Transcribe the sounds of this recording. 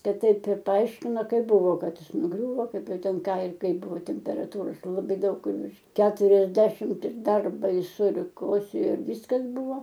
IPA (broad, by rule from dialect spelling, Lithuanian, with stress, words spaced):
ˈkɐt ˈtɐɪp ɪr pɐˈɐɪʃʲkʲɪnoː ˈkɐɪp ˈbʊʋoː ˈkɐt ˈjɪs nʊˈɡrʲuːʋoː ˈkɐɪp ˈjɛʊ ˈtʲɛn ˈkɑː ɪr ˈkɐɪp ˈbʊʋoː tʲɛmʲpʲɛrɐˈtuːroːs lˠɐˈbɐɪ ˈdɐʊk ʋʲɪrʃ kʲɛtʊrʲɛzʲˈdʲæːʃʲɪmt ɪr ˈdɐr bɐɪˈsʊ ɪr ˈkoːsʲeːjoː ɪr ˈʋʲiːskɐs ˈbʊʋoː